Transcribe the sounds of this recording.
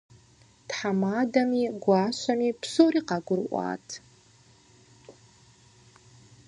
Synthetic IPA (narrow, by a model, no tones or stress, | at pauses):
tħamaːdɐmiːɡʷɑːɕʷɐmiːpsoːɾiːqɑɡʷʊrʔʷɑ̰ːtʰ